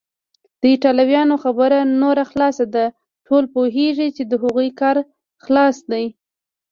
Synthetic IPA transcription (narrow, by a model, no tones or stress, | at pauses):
d̪̥əɪʈɑlawjɑnoxabəɾanoɾaxlɑsad̪a | ʈʰolpoɦeʐit͡ʃed̪əɦaɣujkɑɾ | xlɑsd̪aj